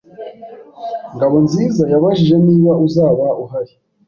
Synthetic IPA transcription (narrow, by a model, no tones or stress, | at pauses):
ŋɡaβo̞nziːzajaβaʒiʒe̞niːβauzaːβauɦaɾi